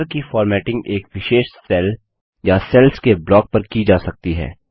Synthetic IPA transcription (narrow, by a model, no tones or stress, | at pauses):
ɾkifɔːɾmɛːʈɪ̃ŋɡeːkʋɪʃeːʃsɛl | jasɛlskeblɔːk̚pɐɾkid͡ʒaːsɐk̚t̪iɦɛ̰ː